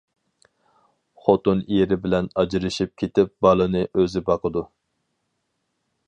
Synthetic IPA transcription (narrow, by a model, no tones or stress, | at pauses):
χot̪unijeɾɪbɪlɛnɑd͡ʒiɾɨʃip̚kʲʰet̪ɪp̚bɑlˠɨnɨʔøzɪbɑqʰəd̪u